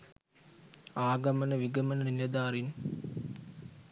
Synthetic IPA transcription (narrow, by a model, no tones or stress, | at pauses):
aːɡɐmɐnəʋiɡɐmɐnənilɐd̪aːɾin